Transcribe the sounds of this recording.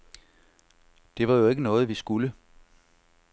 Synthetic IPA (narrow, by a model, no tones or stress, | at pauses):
d̥e̝ʋɑ̈jo̝e̝ɡ̥ənɔ̽ːð̞̩ˠʋisɡ̥ulə